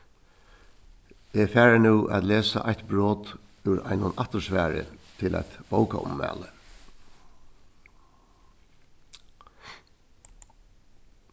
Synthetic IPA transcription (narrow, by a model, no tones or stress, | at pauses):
efæːɹənʉːʔæːt̪leːsaʔaçt̪bɹoːt̪ | ʉɾa̰jnʊnʔaht̪əsʋæːɾə̰t̪ʰɪla̰jt̪b̥owkaʔʊ̰mːæ̰ːlə